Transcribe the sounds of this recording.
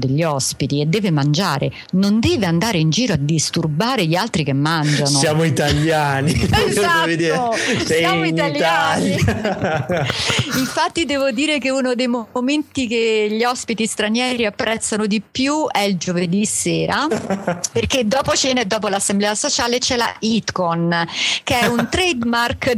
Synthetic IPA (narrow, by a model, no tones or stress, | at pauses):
d̪eʎːiɔspit̪ied̪ːɛːvemand͡ʒaːɾe | nond̪ɛːveand̪aːɾeind͡ʒiːɾoad̪ːist̪urbaːɾeʎialt̪ɾikemːand͡ʒassnosjaːmoit̪aljaːnizdaɛved̪iːɾessjamoit̪alj̪ani | iɱfat̪ːid̪ɛːvod̪iːɾekeunod̪ejmoment̪ikeʎiɔspit̪ist̪ɾanjɛːɾiapːɾɛt̪sːanod̪ipːjuɛild͡ʒoved̪isːeːɾa | perked̪ːɔːpot͡ʃɛned̪ːɔːp̬olasːemblɛːasot͡ʃaːlet͡ʃɛla̰ʔit̪konkeɛunt̪ɾɛd̪mark